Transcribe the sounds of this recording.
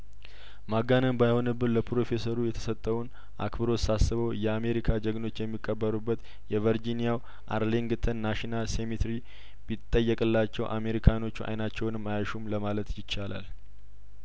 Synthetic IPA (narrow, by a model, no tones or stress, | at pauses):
maɡanənbajho̞nɨbːɨnləpʰɾo̞fe̞səɾujɛt̪ʰə̥sət̪ʼːəwun | ʔa̰kbɨɾo̞sasːɨβəwjɛame̞ɾikʰad͡ʒəɡno̞t͡ʃːjɛmːikʼːəbːəɾubːət̪ | jɛvəɾd͡ʒinijaw | ʔa̰ɾleŋɡt̪ʰənːaʃinalsemit̪ɾi | bit̪ʼːəjːəkʼɨlːat͡ʃːɛwʔa̰me̞ɾikʰano̞t͡ʃːuʔa̰jnat͡ʃːɛwnɨmːajaʃumləmalət̪jɪt͡ʃːala̰l